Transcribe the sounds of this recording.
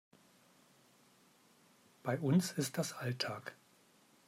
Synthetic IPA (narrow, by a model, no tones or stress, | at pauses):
b̥aɪʔʊnsɪst̚d̥asʔaltʰaːk